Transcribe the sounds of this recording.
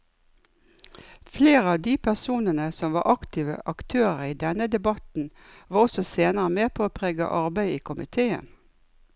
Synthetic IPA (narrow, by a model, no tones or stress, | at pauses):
fleːʁəɑːʋd̪iːpʰæʁsuːnənəsɔmʋɑ̰ːʔɑkt̪ɪʋə̰ʔɑkt̪ʰøːʁəiːd̪ɛnəd̪ɛbɑt̪n̩ | ʋɑːʁɔsɔseːnəʁəmeːpʰoːoːpʰʁeːɡə̰ʔɑʁbæɪiːkʰʊmɪt̪ʰeːə̰n